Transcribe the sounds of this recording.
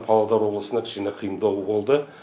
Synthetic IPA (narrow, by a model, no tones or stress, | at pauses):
pʰɑlˠɑd̪ɑɾwo̞blˠəsənɑkʰʲɪ̥ʃɪneqʰijəɴd̪ɑwəbo̞lˠd̪ə